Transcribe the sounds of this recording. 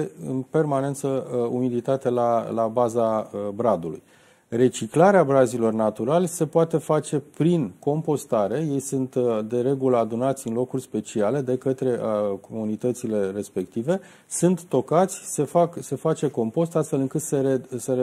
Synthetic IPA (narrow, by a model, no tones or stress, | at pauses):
eɨ̰npe̞rmane̞nt̪səumilit̪at̪e̞lalabazabɾad̪ulṵj | re̞t͡ʃiklaɾeabɾazilo̞rnat̪uɾalʲse̞poat̪e̞fat͡ʃe̞pɾinko̞mpo̞st̪aɾe̞je̞jsunt̪d̪e̞ɾe̞ɡuləad̪unat̪sʲɨnlo̞kurʲspe̞t͡ʃiale̞d̪e̞kət̪ɾe̞ʔəkomunit̪ət̪sile̞re̞spe̞k̚t̪ive̞ | sunt̪ːo̞kat̪sʲse̞fakse̞fat͡ʃe̞ko̞mpo̞st̪ast̪fe̞lɨŋkɨt̪seɾese